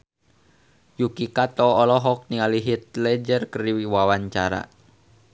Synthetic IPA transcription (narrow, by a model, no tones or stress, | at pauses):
jukikat̪ɔːlɔɦɔk̚nialiɦit̪̚lɛd͡ʒərkəɾiwiwawaɲt͡ʃa̰ɾa̰